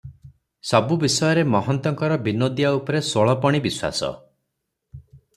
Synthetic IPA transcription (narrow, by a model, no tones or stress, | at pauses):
sɔbubisɔjɔɾemɔɦɔnt̪ɔŋkɔɾɔbinod̪ijaupɔɾesoɭɔpɔɽ̃ibiswa̰sɔ̰